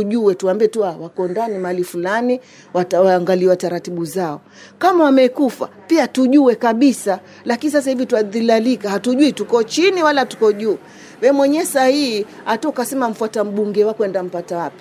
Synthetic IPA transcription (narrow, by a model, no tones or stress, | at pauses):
uʄuɛtuambiɛtuawakɔndanimaalifulani | watawaːŋɡaliwataɾatiɓuzaɔ | kamawamɛkufa̰piatuʄuwɛkaɓisa | lakinis̬as̬ahivitwaðilalikahatuʄuitukɔt͡ʃiniwalatu̥kɔʄuː | wɛmwɛɲɛsahiiatɔkasɛmam̩fuatam̩ɓuŋɡɛwakwɛndam̩patawapi̥